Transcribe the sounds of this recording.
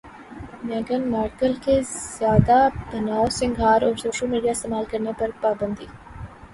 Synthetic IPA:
nɐːɡɐnmaːʈkəlkez̥jaːd̪abɐnaːosɪ̃ŋɡʱɦaːɾɔːɾsoːʃəlmiːɖijaːɪst̪eːmaːlkɐɾnepɐɾpaːbɐnd̪iː

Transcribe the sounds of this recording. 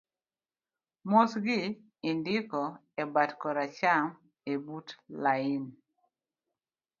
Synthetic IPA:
mosɡɪ | ɪndɪkɔ | ɛbatkɔɾat͡ʃam | ebutlaɪn

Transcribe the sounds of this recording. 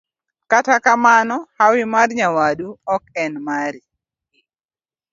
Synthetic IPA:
katakamanɔhawɪmarɲawaduɔkɛnmaɾi

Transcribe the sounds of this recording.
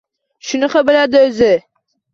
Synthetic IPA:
ʃʊnɨqɑbɪlad̪ɪɵzɪ

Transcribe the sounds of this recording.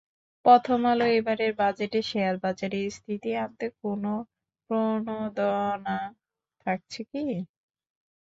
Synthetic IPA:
pɔt̪ʰomaloebaɾeɾbad͡ʑeʈeʃeaɾbad͡ʑaɾiɾst̪ʰit̪iant̪ekono | pɾonod̪ɔna | t̪ʰak̚t͡ɕʰeki

